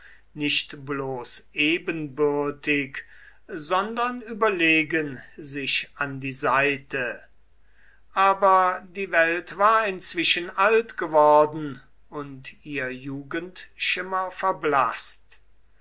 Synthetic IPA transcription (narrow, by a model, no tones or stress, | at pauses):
nɪʃtbloːsʔeːbənbʏʁɐtɪk | zɔndɐnyːbɐleːɡənzɪʃandiːzaɪtə | ʔaːbɐdiːvɛltv̥aːɐɪnt͡sv̥ɪʃənʔaltɡ̥əvɔɐdn̩ | ʊntiːʁɐjuːɡəntʃɪmɐfɛɐbla̰st